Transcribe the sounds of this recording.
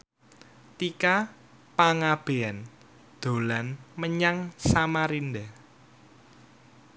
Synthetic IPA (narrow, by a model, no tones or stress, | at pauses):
t̪ika | paŋab̥e̤ɛn | d̪̥o̤lanməɲaŋsamaɾindɛ